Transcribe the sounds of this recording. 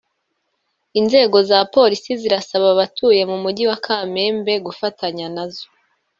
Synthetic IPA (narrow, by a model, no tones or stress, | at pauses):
inze̞ːɡo̞zapo̞ːɾisiziɾasaβaβatʰuːje̞mumuɟiwakʰaːme̞ːmbe̞ɡufataɲanazo